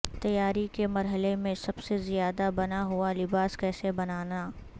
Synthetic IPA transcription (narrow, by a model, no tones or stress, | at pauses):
t̪ɐjaːɾikemɐɾɦəlemẽsɐbsezijaːd̪abɐnaɦʊalɪbaːskɛːsebɐnaːnaː